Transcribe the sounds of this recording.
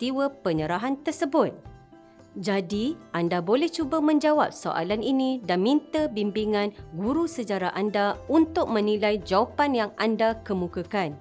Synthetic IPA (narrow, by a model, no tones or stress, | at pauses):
t̪iwəpəɲəɾaɦant̪ərsəbʊt̪̚ | d͡ʒadiʔandabolɛht͡ʃubəmə̃ɲd͡ʒawa̰p̚so̰ʔa̰laninĩdanmĩnt̪əbimbiŋãnɡuɾusəd͡ʒaɾaʔandaunt̪ʊk̚mə̃nĩlajd͡ʒawapanjaŋʔandakəmũkəkan